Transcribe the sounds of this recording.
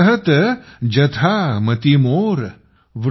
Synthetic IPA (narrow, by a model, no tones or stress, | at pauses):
ɦɐt̪d͡ʒɐt̪ʰamɐt̪imoːɾ | ʋ